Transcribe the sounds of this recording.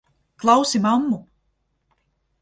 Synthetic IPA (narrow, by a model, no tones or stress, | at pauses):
klˠawsimamːu